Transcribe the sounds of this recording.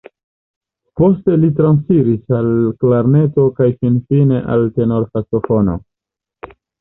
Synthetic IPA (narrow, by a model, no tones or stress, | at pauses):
po̞ste̞litɾansiɾisalklaɾne̞to̞kajfinfine̞ʔa̰lte̞no̞ɾfaso̞fo̞no̰